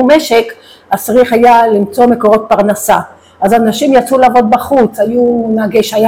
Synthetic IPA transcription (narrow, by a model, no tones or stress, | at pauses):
umeʃek | asʁiχajalimt͡so̞me̞ko̞ʁo̞t̪̚paʁnasa | ʔazanaʃimjat͡sulaːvo̞d̪̚baχut͡sajunaɡeʃaja